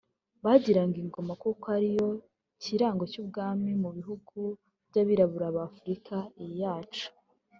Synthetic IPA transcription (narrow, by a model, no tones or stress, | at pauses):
βaːɟiɾaŋɡiŋɡo̞makukoaɾijo̞ | ciɾaːŋɡo̞cuːb̚ɡaːmimuβiɦuɡ̥u | bɟaβiɾaβuɾaβafuɾikʰaijaːt͡ʃu̥